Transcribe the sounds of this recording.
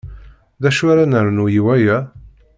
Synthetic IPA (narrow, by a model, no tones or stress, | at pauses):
ðæʃuɾanəɾnujiwæjæ